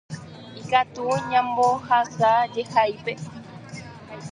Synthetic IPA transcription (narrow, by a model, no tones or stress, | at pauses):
ikat̪uɲãmbohasad͡ʒehajpe